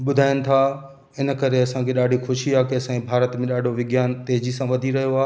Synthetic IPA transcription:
ɓʊd̪ʱaːɪnɪ̆t̪ʰa | ɪnə̆kɐɾeɐsãkʰeɗaːɖʱixʊʃiaːkeɐsãbʱaːɾət̪mẽɗaːɖʱoʋɪɡjaːnt̪eːɦd͡ʑisãʋɐd̪ʱiɾɐɦijoaː

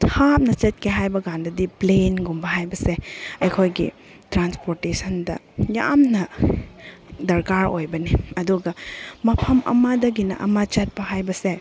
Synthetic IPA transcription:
tʰap̚nɐt͡ʃɐt̚kʰeɦajbɐɡandɐdiplenɡumbɐɦajbɐseɐjkʰojɡḭ | tɾanspoɾtesʰɐndɐ̰ | ja̰mnɐ | dɐɾkaɾo̰jbɐniɐduɡɐmɐpʰɐmɐ̰madɐɡinɐ̰ʔɐ̰mat͡ʃɐt̚pɐhajbɐse

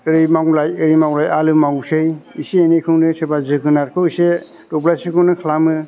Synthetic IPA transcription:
ɯɾijmawlajɯɾimawlajalɯmawsɯjisiːnekʰɯwnɯsebazɯɡɯnaɾkʰɯwise | dɔplajsikʰɯwnɯkʰalamɯ

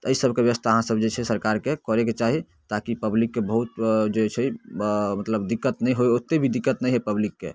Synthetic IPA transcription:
t̪ɔəisəbʱkebjəwəst̪ʰaəɦãsəbd͡ʒet͡ʃʰɛsəɾkaɾkekɔɾeket͡ʃaɦi | t̪akipəblikːebəɦut̪d͡ʒet͡ʃʰɛ | mət̪ləbd̪ikːət̪nɛjɦoeot̪ːebʱid̪ikːət̪nɛjɦɛpəblikːe

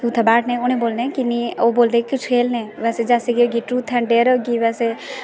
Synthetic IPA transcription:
t̪uːt̪ʰabaːʈnẽoñẽboːlnekinioboːld̪eːkikʊt͡ʃʰeːlnɛ̃ːʋɛːsed͡ʒaːseɡioɡiʈɾuːt̪ʰɛ̃ɳɖeːɾoɡiʋɛːse

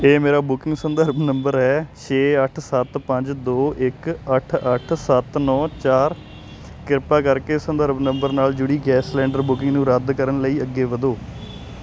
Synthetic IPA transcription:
eːmeːɾaːbʊkɪ̃ŋɡsənd̪əɾbnəmbəɾɦɛːt͡ʃʰeːəʈʰsət̪pəɲd͡ʒd̪oːʔɪkəʈʰəʈʰsət̪nɔːt͡ʃaːɾ | kɪɾpaːkəɾkeːsənd̪əɾbnəmbəɾnaːld͡ʒʊɽiːɡɛːslɛ̃ːɳɖəɾbʊkɪ̃ŋɡnũːɾəd̪kəɾənləiːəɡːeːʋəd̪oː

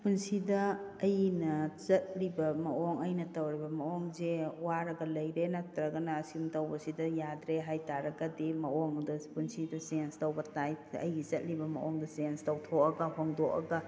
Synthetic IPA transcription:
punsidɐːjnɐt͡ʃɐt̚ɾibɐmɐɔŋɐjnɐtɐwɾibɐmɐɔŋzewaɾɐɡɐlɐjɾenatɾɐɡɐnɐːsimtɐwbɐsidɐjadɾeɦajtaɾɐɡɐdimɐɔŋdɐpunsidɐsnstɐwbɐtajɐ̰jɡizɐt̚ɾibɐmɐ̰ʔɔŋdɐsanstɐwtʰɔkɐɡɐhoŋdɔkɐ̰ɡɐ

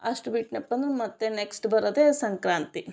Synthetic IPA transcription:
ɐʂʈubiʈnɐpːɐnd̪ɾmɐt̪ːeneksʈbɐɾɐd̪eːsɐŋkɾaːnt̪i

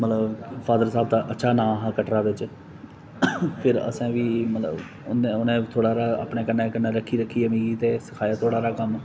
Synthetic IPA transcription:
mət̪ləbfʰaːd̪əɾsaːbt̪aːʔətːʃʰaːnãːɦãːkəʈɾaːʋɪt͡ʃ | pʰɪɾə̰sɛ̃ːʋiːmət̪lə̰b | neʊnẽːt̪ʰoːɽaːɾaːa̰ːpɳeːkənːeːkənːẽːɾəkʰːiːɾəkʰːiːamĩːɡiːt̪eːsə̥kʰaːjaːt̪ʰoːɽaːɾaːkəm

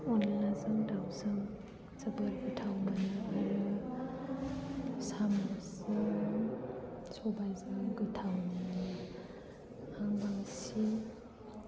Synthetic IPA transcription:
ɔnlazɯŋdawzɯŋ | zabɯɾɡɯtʰawmanaaɾɯ | samasɯ | sɔbajzaŋɡɯtʰawnana | aŋbaŋsi

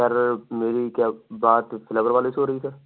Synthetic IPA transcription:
sɐɾmeːɾikjaːbaːt̪fʰɪləʋəɾʋaːlɪsɦoːɾɐisɐɾ

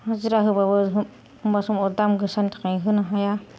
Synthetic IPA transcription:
haziɾaɦɯbabɯɦɯ | ɯmbasumɔdamɡɯsantḁkajɦɯnaɦaja

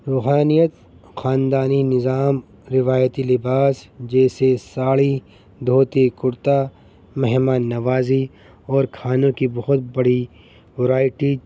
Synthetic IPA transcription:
ɾuːɦaːnijət̪ | xaːnd̪aːninɪzaːm | ɾɪʋaːjət̪ilɪbaːsd͡ʒɛːsesaːɭi | d̪ʱoːt̪ekʊɾt̪a | mɛɦmaːnːɐʋaːzi | ɔːɾkʰaːnõkibɐɦʊt̪̚bɐɽ̤i | wɐɾaːɪʈiː

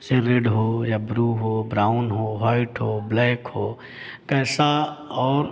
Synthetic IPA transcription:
seɾeɖɦoːjabɾuɦoːbɾaːʊnɦoːɦaːɪʈɦoːblɛːkhoː | kɛːsaɔːɾ

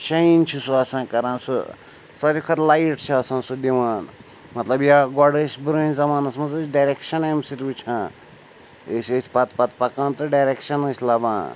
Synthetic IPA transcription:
ʃɐint͡ʃʰusuɐsãːkɐɾãːnsṵ | sɐɾikʰɐt̪lajʈt͡ʃʰiɐsãːsud̪iwaːn | mɐt̪lɐbjaɡɔɖəsʲbɾəːnzɐmaːnɐsmɐzət͡ʃɖajɾekʃɐnamsiɾbut͡ʃʰã | esəsʰʲpɐt̪pɐt̪pɐkãːnt̪ɨɖajɾekʃɐnəsʲlabãː

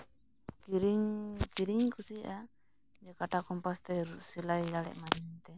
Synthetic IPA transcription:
kiɾiɲkiɾiɲkusiʔa | d͡ʒɛkaʈakɔmpast̪ɛɾusilajlaɽɛ̰ʔmaɲɛnt̪ɛ

